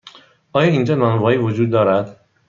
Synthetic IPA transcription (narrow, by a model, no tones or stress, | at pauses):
ʔɒːjɒːind͡ʒɒːnɒːnvɒːiːvod͡ʒuːd̪̚ːɒːɾæd̪̥